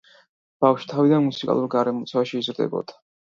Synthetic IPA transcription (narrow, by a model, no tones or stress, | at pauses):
b̥afʃi̥t̪ʰavid̪anmusikʼa̰lˠuɾɡaɾɛmɔt̪sʰɛvaʃiːzɾd̪ɛ̰bɔ̰d̪̥ḁ